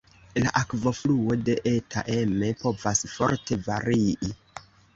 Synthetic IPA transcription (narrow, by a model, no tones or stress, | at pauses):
laʔakvo̞fluo̞de̞ʔetʰa̰ʔe̞me̞po̞vasfo̞̰ɾte̞vaɾiʔi